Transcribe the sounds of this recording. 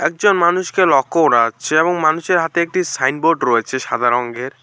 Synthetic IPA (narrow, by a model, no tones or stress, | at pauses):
ɛk̚d͡ʑonmanuʃkelɔkʰːooɖaat͡ɕʰeeboŋmanuʃeɾɦat̪eek̚ʈisajnboɖɾɔet͡ɕʰeʃad̪ʱaɾɔŋɡeɾ